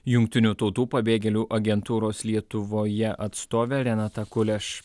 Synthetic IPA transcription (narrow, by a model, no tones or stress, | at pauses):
jʊŋʲk̚t̪ʲɪnʲuˑt̪ɒʊt̪uːpɐbʲeːɡʲɛlʲuːʔɐɡʲɛnt̪uːɾoːslʲiɛt̪ʊʋoːjɛʔɐt̪st̪oːʋʲeːɾʲɛnɑt̪ɐkʊlʲɛʃ